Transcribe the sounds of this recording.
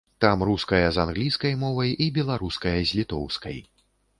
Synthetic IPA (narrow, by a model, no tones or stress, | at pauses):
t̪amɾuskɐjɐzanɣlʲiskɐjmɔvɐjibʲɛlˠaɾuskɐjɐzʲlʲit̪ɔ̰wskɐ̰j